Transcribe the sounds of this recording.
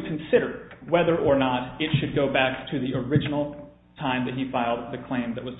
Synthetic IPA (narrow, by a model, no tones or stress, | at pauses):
kʰn̩sɪɾə˞wɛðə˞ʔə˞nəɾɪtʃɨd̚ɡoʊbæk̚tʰɨðiʔə˞ɪd͡ʒɨn̩l̩ˠ | tʰãɪ̃mðɨt̚ɦifaɪlˠd̪̚ðɨkʰl̥ẽɪ̃mðɨʔ̚wʌz̥